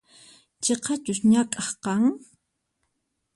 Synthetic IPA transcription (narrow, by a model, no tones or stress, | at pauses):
t͡ʃeqɑt͡ʃʊsɲakʼɑχqɑŋ